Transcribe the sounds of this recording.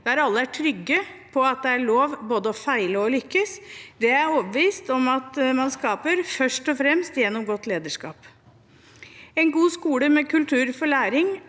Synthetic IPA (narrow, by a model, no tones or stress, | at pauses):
d̪̥ɛæɾɑlːəæʈʰɾʏɡːəpʰɔɑt̪̚d̪ɛæɭoːʋboːd̪əɔfæɪləɔlʏkːəsd̪ɛæɾoːbəʋiːst̪ɔmɑt̪mɑnskɑːpəɾfœʂʈɔfɾɛmst̪jɛnːɔmɡɔt̪ːleːd̪əʂkɑ̰ːp | ɛnɡuːskuːləmɛkʰʉlt̪ʰʉːɾfɔɭæːɾɪŋ